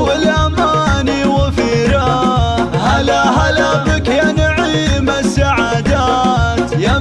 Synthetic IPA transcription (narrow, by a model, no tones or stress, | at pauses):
wɪlʔamaniwɪfiɾa | halaɦalabɪkjanʕiːmasːaʕad̪at̪ja